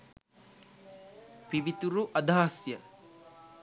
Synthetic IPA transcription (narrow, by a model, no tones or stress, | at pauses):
piʋit̪uɾuʔɐd̪ʱaːsjɐ